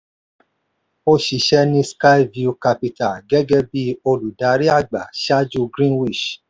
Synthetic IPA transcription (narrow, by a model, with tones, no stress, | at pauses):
o˧ʃi˨ʃɛ˦nĩ˦ska˦i˦vi˦u˧ka˧pi˧ta˨ɡɛ˦ɡɛ˦bi˦o˧lu˨da˨˦ɾi˦a˦˨ɡ͡ba̰˨ʃa˦d͡ʒu˦ɡɾĩ˦wi˦˨ʃ